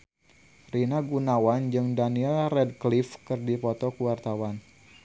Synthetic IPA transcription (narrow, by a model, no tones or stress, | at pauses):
rinaɡunawand͡ʒɨŋdaniɛlrɛd̚klifkɨrdipɔt̪ɔkuwart̪awan